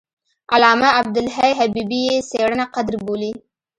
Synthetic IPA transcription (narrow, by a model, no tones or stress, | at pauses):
alɑmaab̚d̪ʊlɦajɦabibijeseɽənaqad̪ɾboli